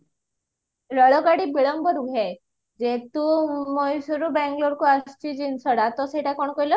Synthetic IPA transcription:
ɾəɭɔkaɽibiɭɔmbɔɾuɡʱe | d͡ʑet̪umɔjsuɾubɛ̃ŋɡloɾkuast͡ɕid͡ʑinsɔɽat̪ɔseʈakɔɳkɔjlɔ

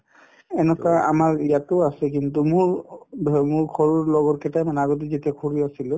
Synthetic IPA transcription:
ɛnɛkaa̰maɹijatɔasɛk̬intumʊɹʱ | mʊɹkʰɔɹuɹlɔɡɔɹkɛtajmanaɡɔt̬izetijakʰoɹiasilʊ

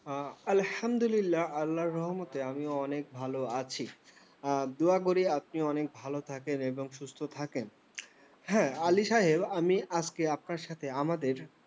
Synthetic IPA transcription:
ɐlhamd̪olilːaalːaɾːɔɦmot̪eamiɔnek̚bʱaloat͡ɕʰi | d̪uaɡoɾiap̚niɔnek̚bʱalot̪ʰakeneboŋʃust̪ʰot̪ʰaken | hɛ̃aliʃaɦebamiad͡ʑkeap̚naɾʃat̪ʰeamad̪eɾ

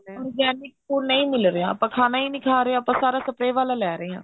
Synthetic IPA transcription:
ɔɾɡɛːnɪkkonəĩːmɪlɾejã̰ːpãːkʰaːnaːiːnɪkʰaːɾeãːpãːsaːɾaːsəpɾeːʋaːlaːlɛːɾəeːã̰ː

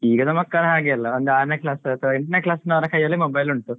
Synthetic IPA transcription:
iːɡɐnɐmɐkːɐɭɐɦaːɡijɐlːɐond̪aːɾneklaːsɐt̪ʰɐʋɐiɳʈɐnɐklaːsinːɐʋɐɾɐkʰɐjːɐlːimobɐjluɳt̪ːu

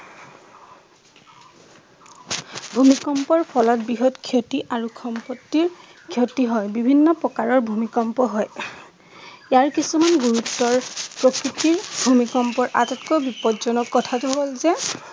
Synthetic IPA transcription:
bʱumikɔmpɔɹpʰɔlɔt̚biɦɔtkʰjotiʔaɹukʰɔmpɔtːiɹ | kʰjotiɦɔjbibʱinːɔpɔkaɹɔɹbʱumikɔmpɔɦɔj | jaɹkisumanɡuɹutːɔɹpɹokɹitiɹbʱumikɔmpɔɹʔa̰tɔtkɔbipɔdzɔnɔkːɔtʰatuɦolzɛ

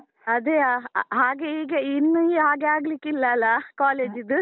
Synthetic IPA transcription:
ɐd̪eaɦaːɡeiːɡeinːuiɦaːɡeaːɡɐlikːilːɐːlːɐkaːleːd͡ʒid̪u

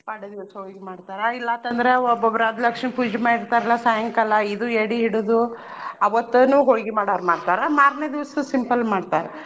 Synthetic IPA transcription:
pɐɽed̪iʋɐsɦoːɡimaːɽt̪aːɾɐilːɐnt̪ɐnd̪ɐɾeɔbɔbɾaːd̪lɐkʂnipud͡ʒimaːiɾt̪aːɾɐlːɐsaːjɐŋkɐlːɐid̪ueɽiɦiɽud̪u | ɐʋɐt̪ːunuːɦoːɡimaːɽaːɾmaːɽt̪aːɾɐmaːɾned̪iʋɐsɐsimpɐlmaːɖt̪aːɾe

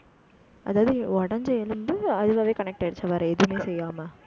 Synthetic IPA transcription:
ɐ̰ðaːðɯɔɽɐɲd͡ʒɛjɐlɯnd̪ɯɐðɯɣaːʋeːkɐnɛk̚ʈɐɽt͡ʃːɐʋɐːɾɐeðɯmeːsɛjːaːmɐ

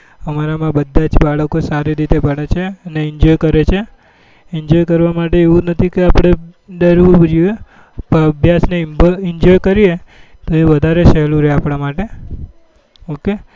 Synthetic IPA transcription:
əmaɾamãbəd̪ʱːãd͡ʒbaɭəkosaɾiɾit̪ebəɽet͡ʃʰeəneɪɲd͡ʒɔjkəɾet͡ʃʰe | ɪɲd͡ʒɔjkəɾʋamaʈeːʋũnət̪ʰikeapɽ̃ed̪əɾʋubd͡ʒie | pəəbʱjasnebɪɲd͡ʒɔjkəɾije | t̪oeʋəd̪ʱaɾeʃɛɦlũɾəɦeapɽ̃amaʈe | oke

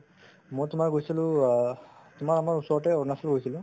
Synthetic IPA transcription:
mujtʊmaɹɡojsilʊ̃ | tʊmaɹamaɹusɔɹʈɛɔɹnasɔlɡojsilʊ̃

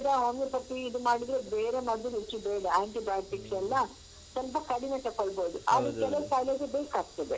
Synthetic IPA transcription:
d̪ɐɦomɡepɐʈːiːd̪umaːɽid̪ɾebeːɾemɐd̪unet͡ʃːubeːɽɐaːɳʈibaːjʈiksɛlːɐ | sɐlpɐkɐɽinet̪ɐkːoɭboːd̪uɐ̰d̪ukɛlɐwsaːjlɐɡebeːkaːɡ̚t̪ɐd̪e

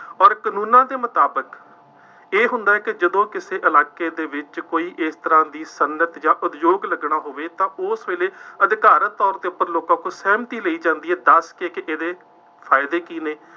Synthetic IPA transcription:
ɔːɾkənũːnãːd̪eːmət̪aːbək | eːɦʊnd̪aːɦɛːkɪd͡ʒəd̪õːkɪseːʔəlaːkeːd̪eːʋɪt͡ʃkoːiːʔɪst̪əɾãːd̪iːsənət̪jãːʔʊd̪joːɡləɡɽaːɦoːʋeːt̪ãːʊsʋeːleːəd̪ɪkaːɾət̪ːɔːɾd̪eːʊpːəɾloːkãːkoːsɛːmt̪iːləiːd͡ʒãːnd̪iːɦɛːd̪əskeːkɪʔeːd̪eː | pʰaːɪd̪eːkiːneː

